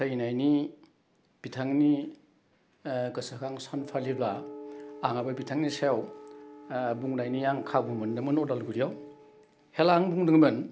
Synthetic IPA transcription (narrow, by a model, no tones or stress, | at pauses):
sajnajni | b̥itʰaŋni | kɯsakʰaŋsanpʰalibla | aŋababitʰaŋnisajaw | buŋnajnijaŋkʰabuŋmɯndɯmɯnɔdalɡuɾijaw | helaŋbuŋdɯŋmɯn